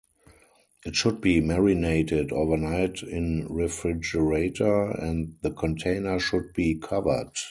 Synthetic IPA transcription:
ʔɪtʃʊd̚biːmɛɹineɪtɪdoʊvə˞naɪtʰɪ̃nɹifɹɪd͡ʒəɹeɪtʰə˞ɛ̃ndðəkʰɔ̃ntʰẽɪ̃nə˞ʃʊd̚biːkʰavə̰˞d

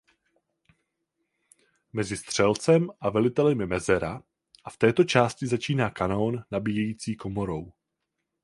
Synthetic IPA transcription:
mɛzɪst̪r̝̥ɛlt͡sɛmʔavɛlɪt̪ɛlɪmɪmɛzɛɾa | ʔaft̪ɛːt̪o̞t͡ʃaːscɪzat͡ʃiːnaːkanonːabijɛjiːt͡siːkomo̞ɾo̞w

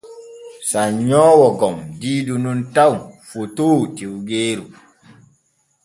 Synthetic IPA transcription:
saɲɔːwɔɡɔmdiːdununtawfotoːtiwɡeːɾu

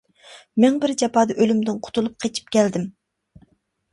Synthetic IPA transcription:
mɛŋbɪɾd͡ʒɑpɑːd̪ɑʔølymd̪ɪnqʰʊ̥t̪ʰulˠup̚qʰet͡ʃʰi̥p̚kʲʰɛld̪ɪm

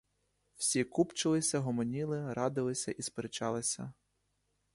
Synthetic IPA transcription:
w̥sʲikupt͡ʃɪlˠɪsʲɐɦɔmɔnʲilˠɪɾɑd̪ɪlˠɪsʲɐʔispeɾet͡ʃɑlˠɪsʲɐ

